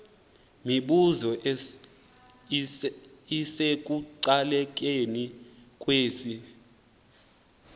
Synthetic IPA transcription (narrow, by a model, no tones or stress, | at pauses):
miɓuzɔ | isek̬ʼuǀalɛk̬ʼenikʼweːsi